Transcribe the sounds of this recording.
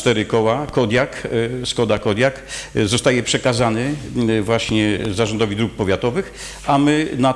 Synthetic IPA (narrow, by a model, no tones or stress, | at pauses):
t̪ɛɾɘkɔwakɔd̪ʲjakskɔd̪akɔd̪jakzɔst̪ajɛpʂɛkazanɘvwaɕɲɛzaʐɔnd̪ɔvʲid̪ɾuk̚pɔvʲjat̪ɔvɘx | amɘna